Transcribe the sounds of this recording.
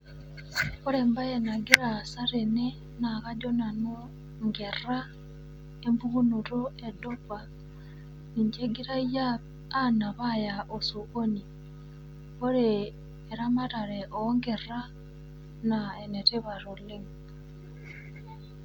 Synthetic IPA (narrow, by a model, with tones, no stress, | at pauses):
ko˦ɾemba˦jena˨ɡi˦ɾasaɾene˦ | na˨kado˦na˨no˦ | ŋɡera | e˦mbu˦ɣu˦nuɾo˦edoka | ni˨ɲd͡ʒe˦ɡi˦ɾa˦jaː˦ | na˨βajaʔo˨so˨ko˦ni˨ | o˦ɾeː | ɾama˦ta˨ɾeʔoŋɡe˨ra˦ | naene˨te˦βa˨ɾo˨le˦ŋ